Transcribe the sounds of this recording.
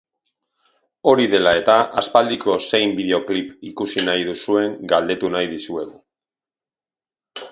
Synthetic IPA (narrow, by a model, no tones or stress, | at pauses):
o̞ɾiðe̞lae̞t̪aʔaspald̪iko̞se̞jmbiðe̞o̞klipikusinajð̞usue̞ŋɡald̪e̞t̪unajðisue̞ɣu